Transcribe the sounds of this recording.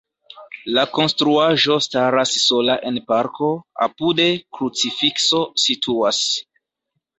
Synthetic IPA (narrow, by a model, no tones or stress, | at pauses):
lako̞nstɾuaʒo̞staɾasːo̞laʔe̞npaɾkʰo̞a̰pude̞kɾut͡sifikso̞sitʰuas